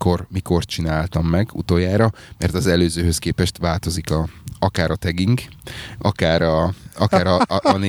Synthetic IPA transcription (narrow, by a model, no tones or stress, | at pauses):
ko̞rmiko̞rt͡ʃinaːlt̪ɒmːɛɡṵt̪oːjːaːɾɒmɛrt̪ɒzɛløːzøːhøskeːpɛʃt̪ʋaːlt̪o̞zikɒɒkaːɾɒt̪ɛɡiŋkɒkaːɾɒɒkaːɾɒne